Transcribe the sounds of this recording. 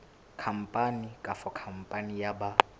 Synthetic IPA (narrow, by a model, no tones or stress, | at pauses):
kʰam̩pʼanikʼafɔkʰam̩pʼanijaba